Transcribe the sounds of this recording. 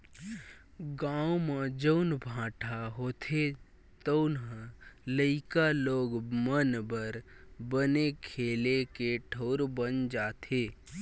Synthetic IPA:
ɡaːumed͡ʒəʊnbʱãːʈʰaɦoːt̪ʰe | t̪əʊnɦləɪkaloːɡmənbəɾ | bənekʰeːlekeʈʰəʊɾbənd͡ʒaːt̪ʰeː

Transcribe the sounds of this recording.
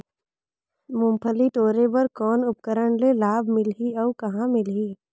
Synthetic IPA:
mʊ̃mpʰəliʈ̪oːɾebɐɾkɔːnʊp̚kəɾəɳlelaːbʱmɪlɦiɔːkɐɦãmɪlɦiː

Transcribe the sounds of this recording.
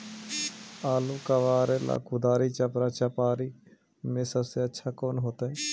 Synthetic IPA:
aːlũkəʋaːɾela̰ːkʊd̪aːɾiːt͡ʃɐpɾaːt͡ʃɐpaːɾiː | mẽːsəbseətːʃʰaːkoːnɦoːt̪aːɦɛ̃ː

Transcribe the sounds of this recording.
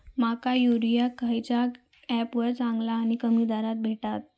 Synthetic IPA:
makajuɾijakajt͡ɕa | ɛpʋəɾt͡sãŋɡlaːɽ̃ikəmiːd̪aɾat̪̚bʱeʈat̪̚

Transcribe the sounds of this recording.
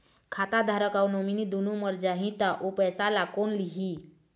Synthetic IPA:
kʰaːt̪ad̪ʱaɾəkaunoːminid̪unuməɾd͡ʒaːɦĩt̪aʔopɛːsalakonliɦi

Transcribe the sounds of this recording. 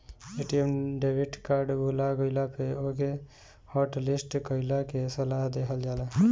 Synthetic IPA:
eʈiemɖebʱiʈkaɾɖbʱulaɡəɪlapʰeoke | hɔʈlisʈkəɪlakesəlaɦd̪ekʰəld͡ʒaːla

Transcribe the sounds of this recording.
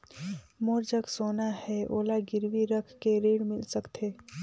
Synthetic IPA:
moːɾd͡ʒəksoːnahɛoːlaɡɪɾwiɾəkʰkeɾeːɽmɪlsɐkt̪ʰeː

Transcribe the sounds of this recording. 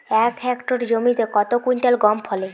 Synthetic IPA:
ɛkɛkʈoɾd͡ʑomit̪ekɔt̪okuɲʈalɡɔmpʰɔle

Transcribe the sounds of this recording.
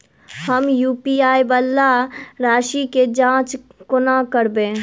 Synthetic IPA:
həmjuːpiaːjbəlːaɾaːʃiked͡ʒãːt͡ʃkʊnakəɾbẽː

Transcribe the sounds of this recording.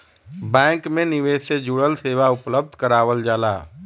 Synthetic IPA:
bɛ̃ːŋkmẽnɪʋeːsed͡ʒʊɽəlseːʋaʊpləb̚d̪ʱkəɾaːʋəld͡ʒaːla̰ː

